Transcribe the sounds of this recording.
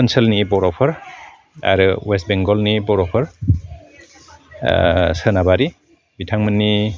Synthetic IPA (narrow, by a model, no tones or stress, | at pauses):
ansəlnibɔɾɔpʰɔɾ | a̰ɾɯwest̚beŋɡɔlnibɔɾɔpʰɯɾ | sənabaɾi | bitʰaŋmɯnːi